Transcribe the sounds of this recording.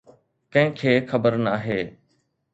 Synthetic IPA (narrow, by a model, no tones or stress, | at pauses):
kɐ̃ɦɪ̃kʰeːxɐbəɾnaːɦeː